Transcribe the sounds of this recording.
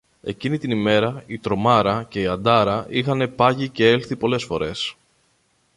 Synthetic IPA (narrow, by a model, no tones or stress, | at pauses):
e̞̰cinit̪inime̞ɾɐit̪ɾo̞mɐɾɐce̞iɐnd̪ɐɾɐixɐne̞pɐʝice̞e̞lθipo̞le̞sfo̞ɾe̞s